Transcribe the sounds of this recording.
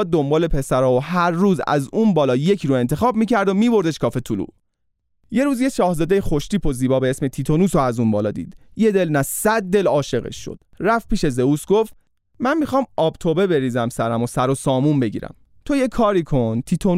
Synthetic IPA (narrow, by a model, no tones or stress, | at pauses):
d̪o̞mbɒːle̞pʰe̞sæɾɒːoɦæɾːuːzæ̰zuːnbɒːlɒːje̞cʰɾoe̞nt̪ʰe̞xɒːb̚miːcæɾd̪omiːbo̞ɾd̪eʃkʰɒːfe̞t̪ʰulṵː | jeɾuːzjeʃɒːhzɒːd̪e̞jexo̞ʃt̪iːpʰoziːbɒːbeesmet̪ʰit̪ʰonuːsoæzunbɒːlɒ̰ːd̪ḭːd̪̥je̞d̪e̞lnæssæd̪̚ːe̞lɒːʃe̞ɣḛʃːo̰d̪̥ræf̚pʰiːʃe̞ze̞uːsɡo̞ft̪ | mænmixɒːmɒːb̥t̪ʰobe̞be̞ɾiːzæmsæɾæmosæɾosɒːmumbe̞ɟḭːɾæ̰m | t̪ʰojekʰɒːɾiːkʰo̞nt̪ʰit̪ʰon